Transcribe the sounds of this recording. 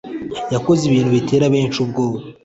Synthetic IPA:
jako̞ziβiːn̥huβitʰe̞ːɾaβeːnt͡ʃubɡo̞ːβa

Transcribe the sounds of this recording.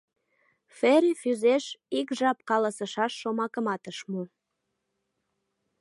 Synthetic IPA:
feɾefyzeʃikʒɑp̚kɑlɑsəʃɑʃːomɑkəmɑt̪əʃmu

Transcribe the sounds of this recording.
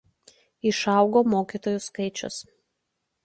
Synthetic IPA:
ɪʃɐˑʊɡoːmoːkʲiːˑt̪oːjuskɐɪt͡ʃʲʊ̰s

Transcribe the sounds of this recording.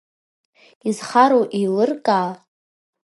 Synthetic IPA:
izχaɾowʔilɨrkʼaː

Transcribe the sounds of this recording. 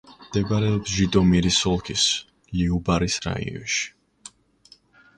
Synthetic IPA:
md̪̥ɛbaɾɛɔpsʒid̪ɔmiɾisɔlˠkʰis | liubaɾisɾa̰ḭɔ̰nʃi̥

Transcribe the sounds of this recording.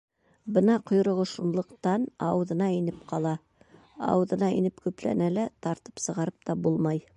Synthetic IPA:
bɤnɑqŏjɾŏʁŏʃunlˠɤ̆qt̪ɑnɑwðɤ̆nɑinɘp̚qʰɑlˠɑ | ɑ̰wðɤ̆nɑḭnɘpkʉplæ̰nælæt̪ɑɾt̪ɤ̥psɤ̆ʁɑɾɤp̚t̪ɑbulˠmɑj

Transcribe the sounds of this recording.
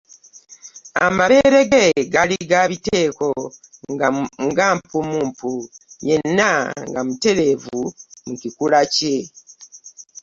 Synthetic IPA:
a̰maβe̞ɾe̞ɡeɡaliɡaβite̞ːko̞ | ŋɡaːmpumuːmpujenːaŋɡamute̞ɾe̞ːvumucikulace̞

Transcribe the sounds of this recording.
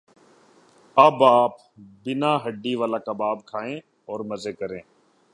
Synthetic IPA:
əbaːp | bɪnãːɦəɖːiːʋaːlaːkabaːbkʰaːẽː | ɔːɾməzeːkəɾẽː

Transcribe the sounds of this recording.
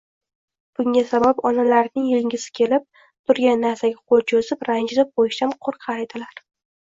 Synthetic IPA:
b̥ʊŋʲasabapɒnalaɾnɪŋjɪlŋʲɪsɪ̥kʲʰe̞lɪp̚ | t̪ʰʊɾɡʲanːaɾsaɡʲaqʰolˠt͡ʃʰozɪpɾand͡ʒlɪp̚qojɪʃt̪anqʰoɾqʰɑɾed̪ɪlaɾ

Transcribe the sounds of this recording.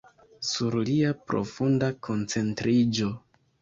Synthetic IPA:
suɾliapɾo̞̰fundakʰo̞nt͡se̞ntɾid͡ʒo̞

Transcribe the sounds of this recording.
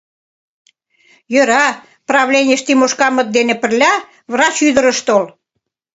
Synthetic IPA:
jø̆ɾɑ | prɑβlʲenʲeə̆ʃt̪imoʃkɑmə̆t̪̚d̪enĕpə̆rlʲɑ | vrɑt͡ɕyðə̆ɾə̆ʃt̪ol

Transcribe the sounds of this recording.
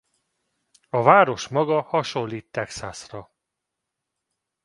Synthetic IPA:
ɒvaːɾo̞ʃmɒɡɒhɒʃo̞lːiːt̪ːɛksasrɒ

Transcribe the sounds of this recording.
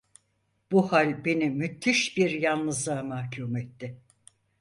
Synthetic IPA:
b̥uhalʲbe̞nimyt̪ʰːiʃbiɾjannɯzlˠaɯmahcʰuːmɛt̪ːɪ

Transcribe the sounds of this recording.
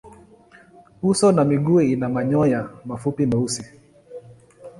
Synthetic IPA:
usɔnamiɡuɛinamaɲɔjamafupimausi

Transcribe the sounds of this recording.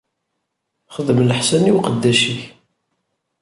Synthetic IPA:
χəðəmləħsæniwqəd̪ːæʃiç

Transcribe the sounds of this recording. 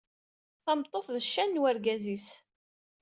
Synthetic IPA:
θɑmt̪ˤːoθðəʃːænːwæɾɡæzis

